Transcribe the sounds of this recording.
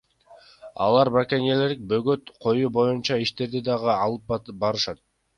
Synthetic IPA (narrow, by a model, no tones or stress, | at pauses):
ɑ̰lˠɑɾbakʲenʲeleɾik̚bøɡøt̪qʰo̞juːbo̞junt͡ʃɑiʃt̪e̞ɾd̪id̪ɑʁɯɑlˠɯp̚bɑɾɯʃɑt̪̚